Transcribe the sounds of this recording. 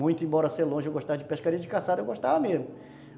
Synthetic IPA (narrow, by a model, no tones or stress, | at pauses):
ũj̃t̪ʊẽbɔɾɐseɾlõʒɪewɡoʃt̪avɐd͡ʒɪpeʃkaɾiɐd͡ʒɪkasad̪ewɡoʃt̪avɐmezmʊ